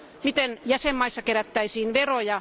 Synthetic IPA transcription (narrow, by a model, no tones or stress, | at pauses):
mit̪enjæsemːɑisːɑkeɾæt̪ːæisiːnʋerojɑ